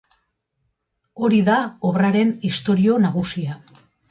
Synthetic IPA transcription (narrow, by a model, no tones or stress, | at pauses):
o̞ɾiðaoβraɾe̞nist̪o̞ɾio̞naɣ̞usia